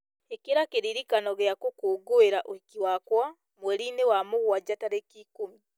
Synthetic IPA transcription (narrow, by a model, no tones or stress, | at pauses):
ekeɾakeɾiɾikanɔɣeakokuɡoeɾaʔoikiwakwa | mwɛɾinewamoɣwad͡ʒataɾekikomi